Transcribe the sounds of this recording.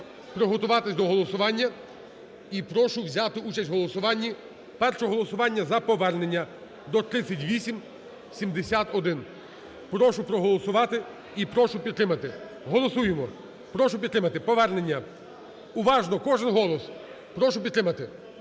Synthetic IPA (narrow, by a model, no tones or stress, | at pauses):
pɾɪɦɔt̪ʊʋɑt̪ɪsʲd̪ɔɦɔlˠɔsʊʋɑnʲːɐ | ipɾɔʃʊʋzʲɑt̪ɪut͡ʃɐsʲtʲɦɔlˠɔsʊʋɑnʲːi | pɛrʃɔɦɔlˠɔsʊʋɑnʲːɐzɐpɔʋɛrne̞nʲːɐ | d̪ɔt̪ɾɪsʲːɐtʲʋʲisʲim | sʲimd̪esʲat̪ɔd̪ɪn | pɾɔʃʊpɾɔɦɔlˠɔsʊʋɑt̪ɪ | ipɾɔʃʊpʲid̪t̪ːɾɪmɐt̪ɪ | ɦɔlˠɔsujemɔ | pɾɔʃʊpʲd̪ɾɪmɐt̪ɪpɔʋɛrne̞nʲːɐ | ʊʋɑʒnɔkɔʒɪnɦɔlˠɔs | pɾɔʃʊpʲd̪ɾɪmɐt̪ɪ